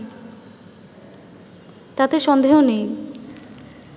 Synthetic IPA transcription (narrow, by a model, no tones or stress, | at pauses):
t̪at̪eʃɔnd̪eɦonej